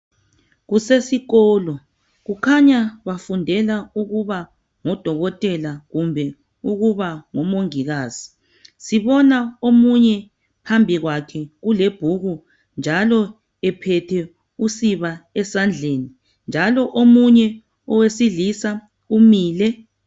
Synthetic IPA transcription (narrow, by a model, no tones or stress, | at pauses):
ɣusesiɣɔːlɔ | ɣukʰaɲaβafundʱɛlauɣuβa | ŋɔd̥ʱɔɣɔtʼɛlaɣumbʱɛ | uɣuβaŋɔmoŋiɣaːz̥i | siβɔnaomuɲɛ | pʰambʱiɣwakʰɛɣuleb̥ʱuɣu | nd͡ʒʱalɔ | ɛpʰɛtʰɛ | usiβaɛsand͡ɮʱeːni | nd͡ʒʱalɔʔomuɲɛ | ɔwesiɮisa | umiːlɛ